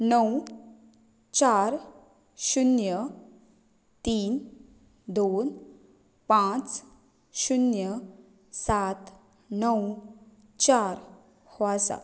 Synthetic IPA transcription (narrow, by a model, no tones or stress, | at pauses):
nəw | t͡ɕaɾ | ɕunjə | t̪iːn | d̪on | pãt͡s | ɕunjə | sat̪ | nəw | t͡ɕaɾ | hoasa̰